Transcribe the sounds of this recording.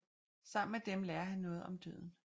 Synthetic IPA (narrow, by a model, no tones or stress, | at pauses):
sɑ̈m̰n̩med̥emlɛːɐɦænːɔ̽ːð̞̩ˠɒ̽md̥ø̰ð̞̰ˠn̩